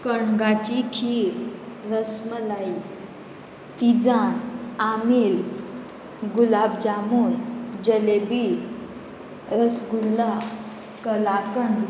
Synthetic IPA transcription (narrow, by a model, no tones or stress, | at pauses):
kəɳɡat͡ɕikʰiɾ | ɾəsməlai | t̪id͡zanamil | ɡulabd͡ʑamund͡ʑəlebi | ɾəsɡulːa | kəlakəɳ